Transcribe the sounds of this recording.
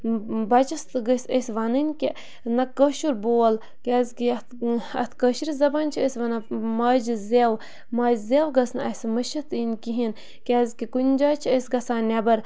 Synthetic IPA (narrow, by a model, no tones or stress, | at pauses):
bɐt͡ʃɐst̪ɡəsʲəsʲʋɐnɨnʲkʲi | nɐkəʃuɾboːl | kʲɛːzʲkiɐt̪ɐt̪ʰkəʃiɾʲizɐbanʲt͡ʃʰiəsʲʋɐnɐmaːd͡ʒzew | maːd͡ʒzewɡɐsnɐɐsmɐʃɐt̪ʰinʲkiɦin | kʲɛːzʲkikunʲd͡ʒaːt͡ʃʰiəsʲɡɐsaːnʲɐbɐɾ